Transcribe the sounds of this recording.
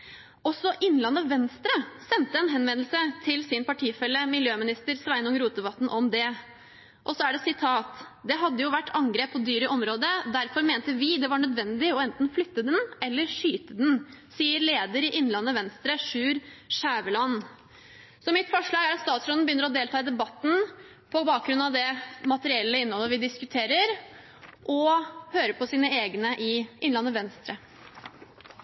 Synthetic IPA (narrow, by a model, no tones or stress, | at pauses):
ɔsɔʔɪnːlɑnːəʋɛnst̪ɾəsɛnt̪əɛnɦɛnʋɛnəlsət̪ʰɪlsɪnpɑʈʰiːfɛlːəmɪljøːmɪnɪst̪əɾsʋæɪnɔŋɾuːt̪̚ɛbɑt̪ːn̩ʔɔmd̪ɛ | ʔɔsɔæɖɛsɪt̪ʰɑːt̪d̪ɛɦɑd̪ːəjʊʋæʈːɑŋɡɾeːpʰːɔd̪yːɾəʔɔmɾoːd̪əd̪æɾfɔɾmeːnt̪əʋɪd̪ɛʋɑɳœd̪ʋɛnd̪ɪɔɛnt̪n̩flʏt̪ːəd̪ɛnɛlːəɾʂyːt̪əd̪nsiːəɾleːd̪əɾɪʔɪnlɑnːəʋɛnst̪ɾəʂʉːɾʂæːʋəlɑn | sɔmɪt̪fɔʂɭɑːɡæɾɑt̪st̪ɑːt̪sɾɔnn̩bəjʏnːəɾɔd̪eːlt̪ʰɑːɪd̪ɛbɑt̪ːn̩ | pʰɔbɑːk̚ɡɾʉnɑʋd̪ɛmɑt̪əɾɪɛlːəɪnːhɔlːəɾʋɪd̪ɪskʉt̪ʰeːɾəɾ | ʔɔhøːɾəpʰɔsiːnəeːɡnəʔɪʔɪnlɑnːəʋɛnst̪ɾə